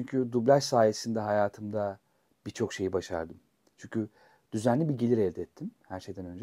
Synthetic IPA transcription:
t͡ʃyɲcʰyd̪ublʲaʃsaːjesind̪ɛɦajaːt̪ʰɯmd̪a | b̥it͡ʃʰo̞kʃe̞jibaʃa̰ɾd̪ɯm | t͡ʃʰyɲcʰy | d̪̥yzænlʲibiɟe̞lʲiɾɛvd̪ɛɛt̪ʰːimhæɾʃe̞jd̪ænø̞nd͡ʒɛ

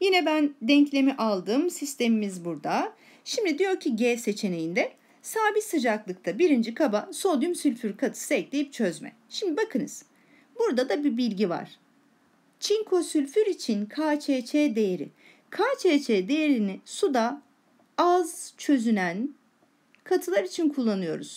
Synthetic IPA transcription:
jinɛbænd̪ɛɲclʲe̞miʔalˠd̪ɯːmsist̪ʰe̞mimizbuɾd̪a | ʃimd̪id̪ijo̞ɾcʰiɟɛːse̞t͡ʃʰe̞ne̞jind̪ɛ | saːbisɯd͡ʒaklˠɯk̚t̪ʰabiɾind͡ʒikʰabaso̞ld̪jymsylʲfyɾkʰat̪ʰɯ̥sɛclʲejip̚t͡ʃʰø̞zmɛ̰ | ʃimd̪ibakʰɯnɯ̰z | buɾd̪ad̪abibilʲɟiva̰ɾ̥ | t͡ʃʰiŋkʰo̞sylʲfyɾit͡ʃʰinkʰaːt͡ʃʰeːt͡ʃʰeːd̪e̞jeɾḭ | kʰaːt͡ʃʰeːt͡ʃʰeːd̪e̞jeɾinisud̪a | azt͡ʃʰø̞zynæn | kʰat̪ʰɯlˠaɾit͡ʃʰinkʰulˠːanɯjo̞̰ɾṵz̥

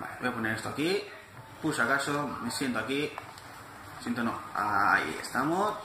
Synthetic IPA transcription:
ba̰lbojaponeɾest̪oaki | pusakasomisjent̪oaki | sjent̪ono̰a̰a̰jḛst̪amo

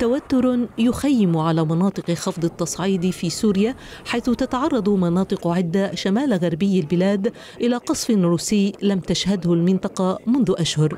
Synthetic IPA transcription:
t̪awat̪ːʊɾjʊxajːɪmʕalaːmɑnɑːt̪ˤɨqxɑfd̪ˤɑt̪ːɑsˤʕiːd̪fiːsuːɾɪja | ħajθʊt̪at̪ɑʕɑrˤːɑd̪ˤmɑnɑːt̪ˤɨqʕɪd̪ːaʃamaːlɣaɾˤbɪjːalbɪlaːd̪ | ʔɪlaːqɑsˤfɪnɾuːsɪjːlamt̪aʃhad̪hʊlmɪnt̪ˤɑqɑmʊnðʊʔaʃhʊɾ

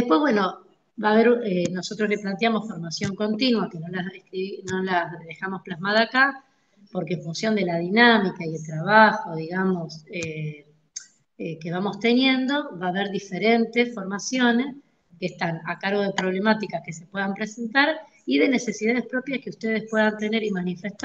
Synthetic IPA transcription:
d̪epwe̞zβwe̞no̞ | baːβ̞eɾeno̞so̞t̪ɾosleplant̪jamo̞sfo̞ɾmasjo̞ŋko̞nt̪inwakeno̞laðekɾino̞laðe̞xamosplazmaðaːka | po̞ɾkeeɱfunsjo̞nd̪e̞lað̞inamikaje̞lt̪ɾaβaxo̞ðiɣamo̞se | eke̞β̞amo̞st̪e̞nje̞nd̪o̞βaːβeɾðife̞ɾent̪esfo̞ɾmasjo̞ne̞s | keht̪anakaɾɣo̞ð̞epɾoβle̞mat̪ikaskese̞pweðampɾese̞nt̪aɾ | iðe̞ne̞se̞siðaðespɾo̞pjaskeust̪eð̞espwe̞ðant̪e̞ne̞ɾimanifest̪

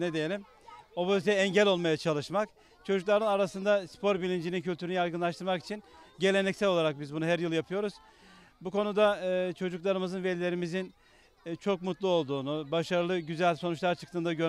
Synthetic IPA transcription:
ned̪ejelʲim | o̞po̞zit̪ʰjɛɛɲɟɛlʲo̞lˠmajat͡ʃʰalˠɯʃmak | t͡ʃʰo̞d͡ʒuklˠaɾɯnaɾasɯnd̪aspʰo̞ɾbilʲind͡ʒinicʰylʲt̪ʰyɾynijaɾjɡɯnlˠaʃt̪ʰɯɾmaki̥t͡ʃʰinɟe̞lʲe̞nɛcsɛlʲo̞lˠaɾak̚bizbunuɦæɾjɯlˠjapʰɯjo̞ɾuz̥ | bukʰo̞nud̪at͡ʃʰo̞d͡ʒuklˠaɾɯmɯzɯnve̞lʲilʲe̞ɾimizin | t͡ʃʰo̞k̚mut̪lˠuo̞lˠd̪uːnubaʃaɾɯlˠɯɟyzælʲso̞nut͡ʃlˠaɾt͡ʃʰɯ̥kt̪ʰɯːnd̪aɟø

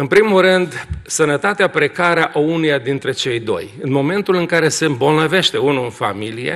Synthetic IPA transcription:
ɨnpɾimulrɨnd̪sənət̪at̪eapɾe̞kaɾeaʔaunujad̪int̪ɾe̞t͡ʃe̞jd̪o̞̰jɨnmo̞me̞nt̪ulɨŋkaɾe̞se̞mbo̞lnəve̞ʃt̪e̞unuɨnfa̰milijḛ

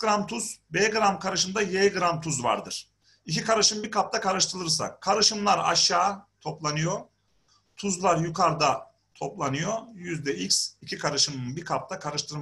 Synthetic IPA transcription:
ɾamt̪ʰuz̥beːɡɯɾamkʰaɾɯʃɯnd̪ajeɡɯɾamt̪ʰuzva̰ɾd̪ɯɾ̥ | icikaɾɯʃɯmbiɾkʰap̚t̪ʰakʰaɾɯʃt̪ʰɯlˠɯɾsa̰kʰaɾɯʃɯmlˠaɾa̰ʃjaːt̪ʰo̞plˠanɯjo | t̪ʰuzlˠaɾjukʰaɾd̪a | t̪ʰo̞plˠanɯjojyzd̪ɛicsicʰikʰaɾɯʃɯmɯnbiɾkʰap̚t̪ʰakʰaɾɯʃt̪ʰɯɾm

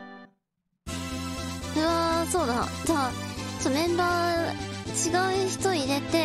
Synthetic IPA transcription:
ɯaso̞ːd̪ad͡ʑat͡ɕonẽ̞mbaː | t͡ɕiɡaɯ̟çi̥t̪o̞iɾe̞t̪e̞

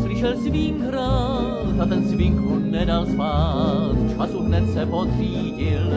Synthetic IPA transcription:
prɪʃɛlsviŋkɾa | t̪at̪ɛnsvɪŋkunɛdalspaːt̪t͡ʃpasud̪nɛt̪sɛpot̪r̝iːɟɪl

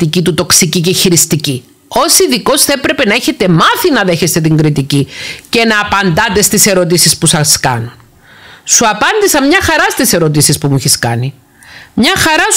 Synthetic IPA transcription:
t̪icit̪ut̪o̞ksiciceçiɾist̪ici | o̞siðiko̞sθɐepɾe̞pe̞nɐeçe̞t̪e̞mɐθinɐðe̞çe̞st̪e̞t̪iŋɡɾit̪icice̞nɐːpɐnd̪ɐt̪e̞st̪ise̞ɾo̞t̪̬isispusɐskɐ̰nun | suɐpɐnd̪isɐmɲɐxɐɾɐst̪ise̞ɾo̞t̪̬isispumuiçiskɐ̰ni | mɲɐxɐɾɐ

